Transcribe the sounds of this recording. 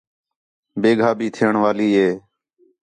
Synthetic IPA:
beːɡʱaːbʱiːt̪ʰeːɳʋaːliːɦeː

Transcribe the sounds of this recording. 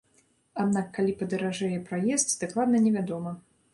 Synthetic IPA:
ad̪nakːalʲipɐd̪ɐɾaʐɛjɛpɾajɛst̪ʲd̪̥aklˠad̪nɐnʲɛvʲad̪ɔmɐ

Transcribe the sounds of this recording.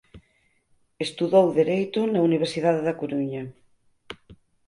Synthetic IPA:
est̪uðowðeɾejt̪onauniβ̞eɾsiðaðeðɐkoɾuɲɐ

